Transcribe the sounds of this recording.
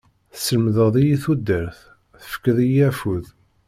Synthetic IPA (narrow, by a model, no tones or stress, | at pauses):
θsəlmðəðˤijiθud̪ːəɾθ | θə̥fə̥kːəðijæfuð